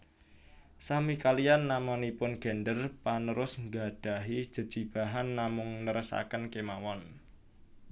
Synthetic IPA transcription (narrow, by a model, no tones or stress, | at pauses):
samikalijanːamanipʊnɡ̥ɛ̤ndərpanəɾʊsŋɡa̤d̥a̤ɦid̥ʒ̥ə̤d̥ʒ̥i̤b̥a̤ɦanːamʊŋnəɾəsa̰kənkemawɔn